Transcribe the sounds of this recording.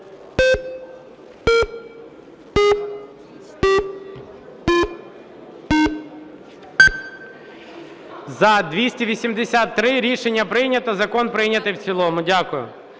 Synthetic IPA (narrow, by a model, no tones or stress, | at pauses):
zɐd̪ʋʲisʲtʲiʋʲisʲimd̪esʲat̪ːɾɪɾʲiʃenʲːɐpɾɪjnʲɐt̪ɐzɐkɔnpɾɪjnʲɐt̪ɪjwt͡sʲilˠɔmʊdʲakʊjʊ̰